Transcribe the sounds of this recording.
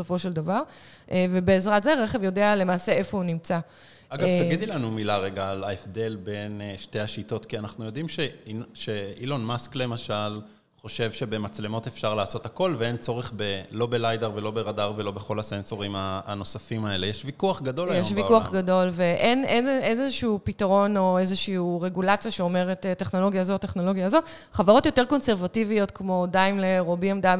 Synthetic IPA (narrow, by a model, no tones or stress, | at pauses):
sofo̞ʃeld̪avaʁ | ʔevebeːzʁatzeʁeχe̞vjodeale̞maːse̞efo̞unimt͡sa | aɡavt̪aɡid̪ilanumilaʁeɡaːlaefd̪e̞lbe̞nʃte̞jhaʃito̞t̪kianaχnujo̞d̪imʃeiʃeilonmaskle̞maʃal | χo̞ʃe̞vʃe̞be̞mat͡sle̞mo̞t̪efʃaʁlaːso̞t̪ako̞lveent͡so̞ʁeχbelo̞be̞lajd̪eʁvelo̞be̞ʁadaʁvelo̞beχo̞lase̞nso̞ʁima̰ːno̞safimae̞le̞jeʃvikuaχɡad̪o̞ljeʃvikuaχɡado̞lve̞ʔenezezezʃuːpitaʁo̞no̞ezeʃiuʁe̞ɡulat͡sjaʃeome̞ʁetetːeχno̞lo̞ɡjazotːeχno̞lo̞ɡjazo̞ | χavaʁo̞tjo̞teko̞nseʁvativio̞tkmo̞dajmleʁobiamdab